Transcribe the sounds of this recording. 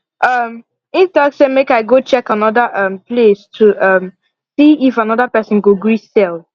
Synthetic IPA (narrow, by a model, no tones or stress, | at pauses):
ʔʌm | ĩntɔksemekaɪɡot͡ʃɛkanɔðəʔʌ̃mplestʰuʌm | siifanɔðəpɛsə̃nɡoɡɹisɛl